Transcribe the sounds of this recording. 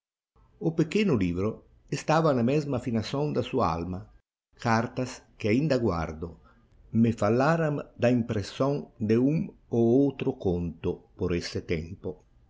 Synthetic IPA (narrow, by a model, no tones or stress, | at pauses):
ʊpekenʊlivɾʊ | est̪aːvanamɛzmafinasond̪asuaa̰lma | kaɾt̪askɪaind̪aɡwa̰ɾd̪ʊ | mɪfalːaɾamd̪aimpɾesoŋd̪euŋoowt̪ɾʊkont̪ʊpoɾesɪt̪ɛmpʊ